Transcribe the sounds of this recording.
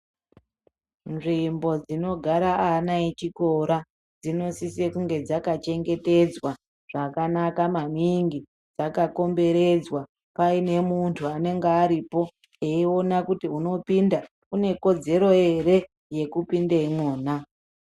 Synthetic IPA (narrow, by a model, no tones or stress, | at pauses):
nʐimbo̞d͡zino̞ɡʱaɾaanait͡ʃiko̞ɾa | d͡zino̞sisekuŋɡe̞d͡zakat͡ʃe̞ŋɡe̞te̞d͡zwa | ʐ̥akanakamaniŋɡi | d͡zakako̞mbe̞ɾe̞d͡zwa | paine̞muntʰuane̞ŋɡeaɾipo̞ | eio̞nakutiuno̞pinda | kune̞ko̞d͡ze̞ɾo̞e̞ɾe̞ | je̞kupindeimoːn̤a